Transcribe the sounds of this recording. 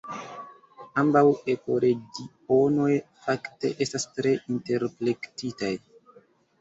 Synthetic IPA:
ambawe̞ko̞ɾe̞ɡi | o̞no̞jfakte̞̰ʔe̞stastɾe̞ʔinte̞ɾpɾe̞ktitaj

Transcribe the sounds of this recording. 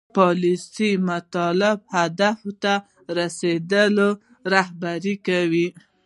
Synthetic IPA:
pɑlisimat̪ɑlɪb̚had̪aft̪a | ɾased̪əlo | ɾahbaɾikawi

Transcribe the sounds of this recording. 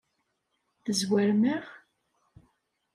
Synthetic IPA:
θəzwæɾməʁ

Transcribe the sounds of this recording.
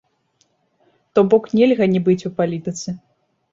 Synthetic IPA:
t̪ɔbɔknʲɛlʲɣɐnʲibɨt͡sʲupalʲit̪ɨt̪sɨ

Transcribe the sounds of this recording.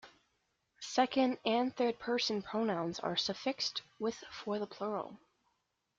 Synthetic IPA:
sɛkɨ̃ndɨ̃nθɜ˞d̚pʰɜ˞sɨ̃n̩pʰɹ̥oʊnãʊ̃nzə̰˞səfɪkstwɪð̥fə˞ðəpʰl̥ʊɹl̩ˠ

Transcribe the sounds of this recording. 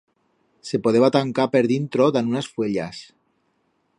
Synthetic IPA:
se̞poðeβat̪aŋkapeɾðint̪ɾoðanunasfwe̞ʎa̰s

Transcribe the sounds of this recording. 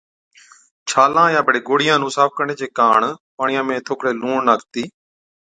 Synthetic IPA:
t͡ʃʰaːlãːjãːbəɽeːɡoːɽɪjãːnũːsaːp̚ʰkəɾɳeːt͡ʃeːkaːɳpaːɳɪjãːmẽːt̪ʰoːkʰɽeːluːɳnaːkt̪iː

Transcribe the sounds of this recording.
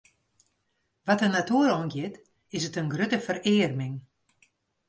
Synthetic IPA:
ʋatənatuəɾɔnɡjɪt | ɪsətənɡrøtəfərɪːrmɪŋ

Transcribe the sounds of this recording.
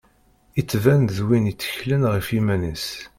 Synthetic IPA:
it͡sːvænðwinit͡sːə̥çlənʁəfimænis

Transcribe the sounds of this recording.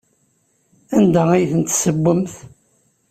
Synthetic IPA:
ænd̪ææjθənt̪ːsəbːəmθ

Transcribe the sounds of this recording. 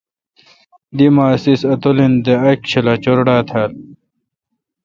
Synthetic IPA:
d̪imaːsisɐt̪olind̪eɐkɕʰilɐt͡ɕoɾɽaːt̪ʰaːl

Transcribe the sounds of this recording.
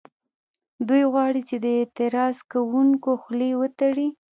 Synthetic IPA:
d̪ujɣwɑɽit͡ʃed̪əet̪ɪɾɑskawuŋkoxlewət̪aɽi

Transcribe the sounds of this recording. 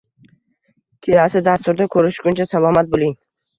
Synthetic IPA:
kʲʰelasɪd̪ast̪ʊɾd̪akʰɵɾɪʃɡʲʊnt͡ʃʰasalˠɒmat̪̚bolˠɪŋ

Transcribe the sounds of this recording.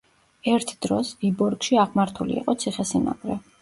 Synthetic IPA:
ɛɾt̪ʰd̪̥ɾɔsvibɔɾɡʃiaʁmaɾt̪ʰulḭiqʼɔt̪sʰiχɛsina̰ɡ̥ɾɛ

